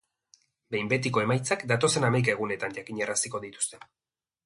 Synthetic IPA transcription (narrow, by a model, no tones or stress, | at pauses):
be̞jmbe̞t̪iko̞e̞majt͡sakd̪at̪o̞se̞namajkae̞ɣune̞t̪aɲʝakiɲerasiko̞ðit̪u̥st̪e̞